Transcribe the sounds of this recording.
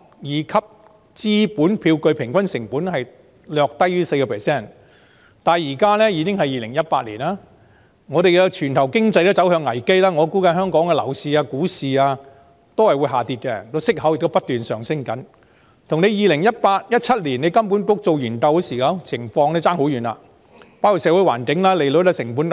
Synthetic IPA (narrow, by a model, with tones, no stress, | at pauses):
jiː˨˧kʰɐ˥p̚ | t͡siː˥puː˨˥npʰiː˧wkɵ˧ɥpʰɪ˨˩ŋkʷɐ˥nsɪ˨˩ŋpuː˨˥nhɐ˨j | lœː˨˧k̚t̪ɐ˥jɥyː˥se˧jkɔ˧pʰɛː˨˩sɛː˥˩n | t̪aː˨˩njiː˨˩kaː˥lɛ˥jiː˨˧kɪ˥ŋɦɐ˨jiː˨lɪ˨˩ŋjɐ˥t̚paː˧t̚liː˨˩naː˥ | ŋɔː˨˧ɾe˨jkɛ˧t͡ʃʰyː˨˩nt̪ʰɐ˨˩wkɪ˥ŋt͡sɐ˧jt̪o˥t͡sɐ˨˥whœː˧ŋːɐ˨˩jke˥jlaː˥ŋɔː˨˧kuː˨˥kɐ˧nhœː˥ŋkɔː˨˥ŋkɛ˧lɐ̰˨˩wsiː˨˧aː˧kuː˨˥siː˨aː˧ | t̪o˥whɐ˨jwu˨˧ɦaː˨˩t̪iː˧t̚kɛ˧t̪o˥sɪ˥k̚hɐ˨˥wjɪ˨k̚t̪o˥pɐ˥t̚t̪yː˨nsœ̰ː˨ŋsɪ˥ŋkɐ˨˥n | t̪ʰʊ˨˩ŋne˨˧jiː˨˧lɪ˨˩ŋjɐ˥t̚paː˧t̚jɐ˥t̚t͡sʰɐ˥t̚liː˨˩ne˨˧jkɐ˥mpu˨˥nkʊ˨˥k̚t͡so˨wjyː˨˩nt̪ɐ˨˧wksiː˨kaː˨˥wt͡sʰɪ˨˩ŋfɔː˧ŋnɛː˥t͡saː˥ŋho˨˥wjyː˨˩na̰ː˧ | paː˥wkʰu˨˩tsɛː˨˧˥wu˨˥jwa̰ː˨˩nkɪ˨˥ŋlaː˥le˨jlo˨˧˥t̪ɐ˥sɪ˨˩ŋpu˨˥n